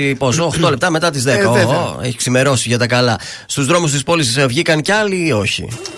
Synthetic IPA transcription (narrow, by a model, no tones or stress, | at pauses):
ipo̞soːxt̪o̞le̞p̚t̪ɐme̞t̪ɐt̪izðekɐeçi̥ksime̞ɾo̞siʝɐt̪ɐkɐlɐ | st̪uzðɾo̞must̪ispo̞lissvʝikɐncɐliːo̞çḭ